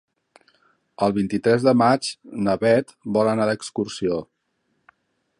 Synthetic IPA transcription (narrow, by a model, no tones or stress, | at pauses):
əlˠβint̪it̪ɾɛzðəmad͡ʒnəβɛt̪bɔlənad̪əkskursio